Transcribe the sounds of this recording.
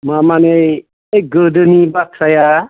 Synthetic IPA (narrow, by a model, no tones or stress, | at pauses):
mamane | eɡədənibatʰɾaja